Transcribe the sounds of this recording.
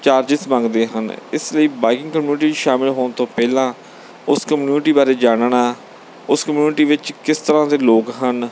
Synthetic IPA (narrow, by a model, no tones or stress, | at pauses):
t͡ʃaːɾd͡ʒɪsmãːŋɡd̪eːɦə̰nɪ̰sləiːbaːɪkɪ̃ŋɡkəmjuːnʈiːʃaːmɪlɦoːɳt̪õːpɛːlãː | ʊskəmjuːnʈiːbaːɾeːd͡ʒaːɽɳaː | ʊskəmjuːnɪʈiːʋɪt͡ʃkɪst̪əɾãːd̪eːloːkɦən